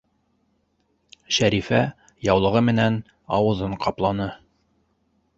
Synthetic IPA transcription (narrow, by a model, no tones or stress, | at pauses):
ʃæɾifæ | jɑwlˠɤ̆ʁɤmɘ̆næn | ɑwɤ̆ðɤɴqʰɑplˠɑnɤ